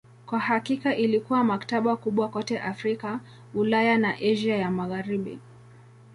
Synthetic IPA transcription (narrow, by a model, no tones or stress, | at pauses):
kwahakikaʔilikuwamakḁtaɓakuɓwakɔtɛʔafɾika | ulajanaʔɛʒiajamaɣaɾiɓḭ